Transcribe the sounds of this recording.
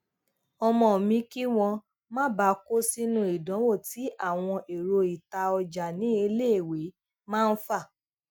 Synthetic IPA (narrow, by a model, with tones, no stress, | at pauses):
ɔ˧mɔ̃˧˨mĩ˨˦ki˦w̃ɔ̃˧ | mãː˦ba˨˦ko˦si˦nũ˦˧˦i˨dã˨˦wo˦˨ti˨˦ʔa˦˨w̃ɔ̃˧ʔe˨ɾo˧i˨ta˧ɔ˧d͡ʒa˨nĩ˨˦e˧le˦e˨we˨˦ | mãː˦˧n̩˦fa˦˨